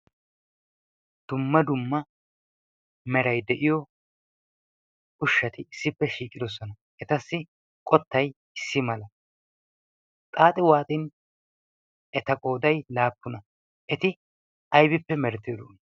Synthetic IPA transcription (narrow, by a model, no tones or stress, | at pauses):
d̪̥ʊmːɐd̪ʊmːɐ | mɛɾɐjd̪ɛʔɪjɔ | ʊʃːɐt̪ɪɪsːɪpːɛʃiːkʼɪd̪ɔs̬ɔnɐ | ʔɛt̪ɐsːɪ | kʼɔt̪ːɐj | ɪsːɪmɐlɐ | t̪ʼaːt̪ʼɪwaːt̪ʼɪn | ɛt̪ɐkʼoːd̪ɐjlaːpːʊnɐ | ʔɛt̪ɪ | ɐjbɪpːɛmɛɾd̪eːd̪oːn